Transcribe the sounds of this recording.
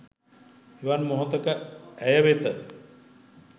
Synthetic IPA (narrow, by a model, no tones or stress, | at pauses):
iʋanmoɦot̪əkəæjəʋet̪ə